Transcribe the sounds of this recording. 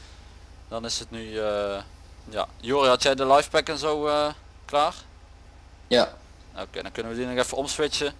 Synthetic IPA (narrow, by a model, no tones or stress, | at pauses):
dɑnɪsətnyə | ja̰juːrihɑtjɛjdəlɑjfpɛkɛnzowə | klaːr | a | o̰kḛːdɔnkɵnəʋədinəxɛfəɔmsʋɪt͡ʃə